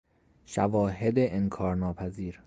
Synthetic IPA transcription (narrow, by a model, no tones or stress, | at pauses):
ʃævɒːɦed̪eʔenkʰɒːɾnɒːpʰæziːɾ